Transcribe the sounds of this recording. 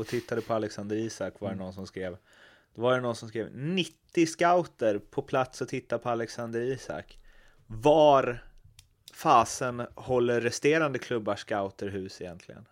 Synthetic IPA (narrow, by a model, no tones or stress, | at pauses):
ɔt̪ʰɪt̪ʰːad̪əpʰɔalɛksand̪əɾiːsakːvaɾɛnɔnsɔmskɾeːv | d̪̥ɛvaɾənɔnsɔmskɾeːvnɪt̪ːɪskaʊt̪əɾpʰɔpʰlat̪sɔt̪ʰɪt̪ːapʰɔalɛksand̪əɾiːsa̰k | vaɾ | faːsənhɔlːəɾːɛst̪eːɾand̪əkʰlɵbːaʂkaʊt̪əɾɦʉ̟ːsɪjɛ̰nt̪ʰlɪɡə̰n